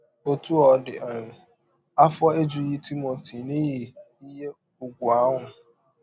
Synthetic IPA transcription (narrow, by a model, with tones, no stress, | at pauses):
o˦tu˦ɔ˨˦dɪ˨ʔa˨ɲʊ˨ | a˦fɔ˦e˦d͡ʒu˨˦ji˦tʰi˦mo˨tʰi˨ni˦ɦi˨ | i˦ɦe˦ | ʊ˨ɡʷʊ˨a˦ɦʊ˨